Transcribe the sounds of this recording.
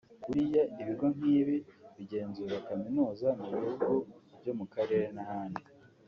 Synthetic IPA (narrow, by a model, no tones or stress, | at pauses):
kuɾijandiβiɡo̞ŋ̥iːβiβiɟe̞ːnzuːɾakaminuːzamuβihuɡubɟo̞mukaɾe̞ɾenahaːni